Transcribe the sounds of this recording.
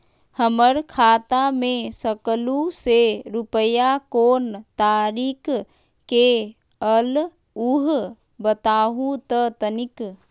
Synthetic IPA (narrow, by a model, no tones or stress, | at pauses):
həməɾkʰaːt̪amẽsəkluseɾupəjakoːnt̪aːɾiːk | ke | əl | uɦ | bət̪aːɦũt̪ət̪ənɪk